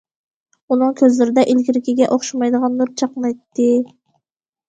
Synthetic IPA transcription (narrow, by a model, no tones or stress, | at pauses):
unɨŋkʲʰøzlɪɾɪd̪ɛʔilkʲiɾɪkʲiɡʲɛʔoχʃɑmɑjd̪əʁɑnːuɾt͡ʃʰɑqnˠɑjt̪ːɨ